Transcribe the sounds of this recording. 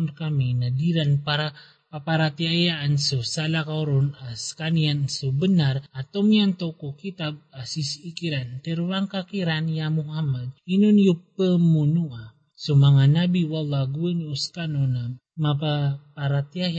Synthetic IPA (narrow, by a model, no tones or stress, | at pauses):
nkaminadiɾanpaɾa | papaɾat̪iajaːnsosalakauɾɔnaskaniansobənarat̪omiant̪okokit̪ab̚asisikiɾant̪eɾuwaŋkakiɾanjamuɦamad̪̚inunjupəmunua | somaŋanabiwalaɡuənuskanona | mapapaɾat̪iaja